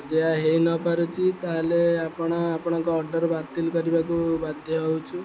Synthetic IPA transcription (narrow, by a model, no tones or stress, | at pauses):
d̪eaɦejnɔpaɾut͡ʃʰit̪aɦleapɔɽ̃aːpɔɽ̃ɔŋkɔːɾɖɔɾbat̪ilkɔɾibakubad̪ʱjɔɦowt͡ʃʰu